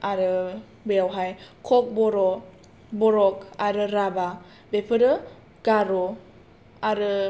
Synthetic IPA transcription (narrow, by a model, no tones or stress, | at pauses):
aɾɯ | beawɦajkʰɔk̚bɔɾɔ | bɔɾɔk̚aɾɯɾaba | bepʰɯɾɯ | ɡaɾɔ | aɾɯ